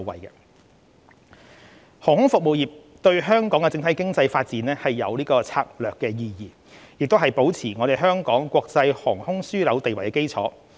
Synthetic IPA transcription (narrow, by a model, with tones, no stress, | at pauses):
wɐ̰˨jkɛ̰˧ | hɔː˨˩hʊ˥ŋfʊ˨k̚mo˨˩wjiː˨p̚ | t̪ɵ˧ɥɦœː˥ŋkɔː˨˥ŋɛ˧t͡sɪ˧ŋt̪ʰjkɪ˥ŋt͡sɐ˧jfaː˧t̚t͡siː˨˥nɛː˥hɐ˨jːɐ̰˨˧wliː˥kɔː˧t͡sʰa̰ː˧k̚lœː˨kːɛː˧jiː˧jiː˨ | jɪ˨k̚t̪wɦɐ˨˩jpo˨˥wt͡sʰiː˨˩ŋɔː˨˧ɾe˨jɦœː˥ŋkɔː˨˥ŋkʷɔː˧k̚t͡sɐ˧jhɔː˨˩ŋhʊ˥ŋsyː˥lɐ˨˧wt̪e˨jwɐ˨˩jkɛ˧ke˥jt͡sʰɔ̰ː˨˥